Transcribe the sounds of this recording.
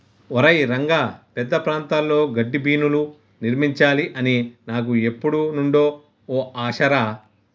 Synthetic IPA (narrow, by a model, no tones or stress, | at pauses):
ɔɾɐjɾɐŋɡaːpɛd̪ːɐpɾaːnt̪aːlːoːɡɐɖːibʱiːnulu | niɾmiɲt͡ʃaːliʔɐninaːkue̞pːuɽunuɳɖo̞ː | oːaːʃɐɾa